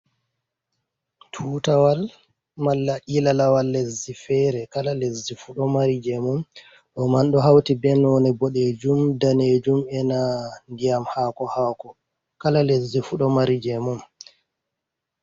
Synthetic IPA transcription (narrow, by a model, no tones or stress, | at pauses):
tʰuːtawal | malːaʔilalawalːezifɛɾɛkalalezːifuɗɔmaɾid͡ʒɛmum | ɗɔmanɗɔɦawtibɛnɔnɛbɔɗed͡ʒumdaned͡ʒumɛnandijamhaːkɔhaːkɔ | kalalezifuɗɔmaɾid͡ʒɛmɔm